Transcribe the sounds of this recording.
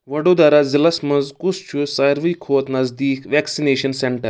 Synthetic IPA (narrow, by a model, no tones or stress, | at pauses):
ʋɐɽod̪aɾazilɐsmɐzkust͡ʃʰusajɾʋikʰoːt̪nɐzd̪iːkʰʋɛksineːʃɐnseɳʈəɾ